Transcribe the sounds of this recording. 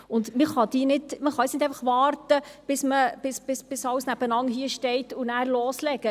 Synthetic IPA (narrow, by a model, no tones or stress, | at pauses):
ʊnd̪mɪχɑd̪iːnɪtməχɑɛsnɪt̪ɛɪjfɑχʋɑːɾtəb̥ɪsməb̥ɪsb̥ɪsb̥ɪsɑwsnæb̥ənɑŋɦiːəʃtɛɪtːʊnæːɾloːslɛɡ̥ə